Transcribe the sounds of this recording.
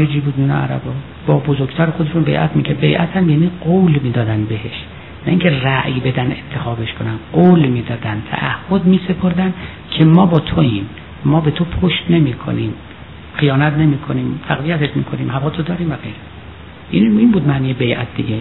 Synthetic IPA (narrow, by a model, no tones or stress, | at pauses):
ed͡ʒiːbuːd̪miːnḛæ̰ɾæ̰bɒː | b̥ɒːbozoɾɡt̪ʰæːɾexod̪e̞ʃunbejʔæ̰t̪ʰmiːkʰebe̞jʔæt̪ʰæmjæːniːɡowlmiːd̪ɒːd̪ænd̪beɦeʃ | næiːŋcʰeræʔjbe̞d̪ænent̪ʰːe̞xɒːbeʃkʰonænqolmiːd̪ɒːd̪ænt̪ʰæ̰ʔæhːod̪miːse̞pʰoɾd̪æn | kʰemɒːbɒːt̪ʰoiːn | mɒːbe̞t̪ʰopʰoʃt̪ne̞miːkʰo̰niːm | xijɒːnæt̪ʰne̞miːkʰoniːmt̪ʰæɣvijæt̪ʰeʃmḭːkʰo̞niːmhævɒːt̪ʰod̪ɒːɾiːmvæɣejɾe | ʔiniːnbuːd̪mæhnijebejʔæ̰t̪̚ʰd̪iɡʲe